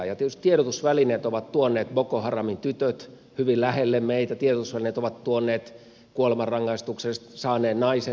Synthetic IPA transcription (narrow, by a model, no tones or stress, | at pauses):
jɑt̪ietyst̪ieɾot̪usʋælineːt̪oʋɑt̪t̪uonːˑeːt̪bokohɑrɑmint̪yt̪øt̪ | hyʋillæhelːemmeit̪æt̪ierot̪usʋælineːt̪oʋɑt̪t̪uonːˑeːt̪ | kuolemɑrɑŋːɑist̪uksest̪sɑːneːd̪nɑise